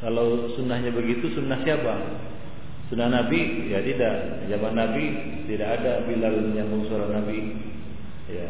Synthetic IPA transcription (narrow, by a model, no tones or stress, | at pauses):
kalawsunahɲabəɡit̪usunːahsiapa | sunːahnabi | jat̪idaʔ | zamanːabi | t̪idakadabilaljaŋbəŋsuaɾanabi | ja